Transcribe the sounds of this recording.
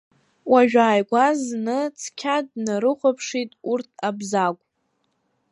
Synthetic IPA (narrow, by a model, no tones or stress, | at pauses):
waʒᶣaːjɡʷaznɨt͡sʰkʲʰadnaɾɨχʷapʰʂitʼurtʰabzakʷʼ